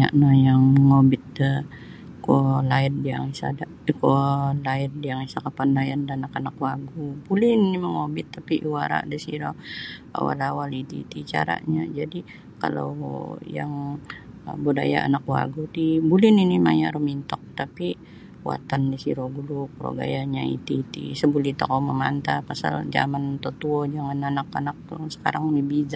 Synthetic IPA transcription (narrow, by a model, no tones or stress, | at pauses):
a̰ʔnajaŋməŋobɪt̪̚də | kolaɪddiaŋisa̰daʔkolaɪr̚diaŋisakapanlajandanakanakwaɡubulɪniniməŋobɪt̪ːapiʔwaɾa̰ʔdisiɾoa̰wa̰lawalit̪ḭt̪it͡ʃa̰ɾa̰ʔɲad͡ʒadi | ka̰lo̰wja̰ŋ | budajaʔa̰nakwa̰ɡut̪ibulininimajaɾumint̪ɔk̚t̪api | wa̰t̪andisiɾoɡulupɾo̰ɡa̰jaɲaḭt̪iːt̪ḭsəbulit̪okɔməmant̪apasa̰ld͡ʒa̰mant̪ot̪uɔd͡ʒaŋananakanak̚sə̥kaɾaŋnibiza